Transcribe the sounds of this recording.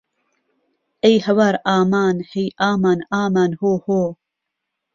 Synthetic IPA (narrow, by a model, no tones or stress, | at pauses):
ejhɐwaɾaːmaːnhejʔaːmaːnaːmaːnhoːhoː